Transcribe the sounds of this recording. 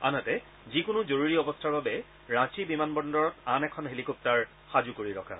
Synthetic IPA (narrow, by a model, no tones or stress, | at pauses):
a̰natɛ | zikʊnʊzoɹuɹiɔbɔstʰaɹbabɛ | ɹãt͡ʃibimanbɔndɔɹɔtanɛkʰɔnɦelikɔp̚taɹ | xazukoɹiɹɔkʰa̰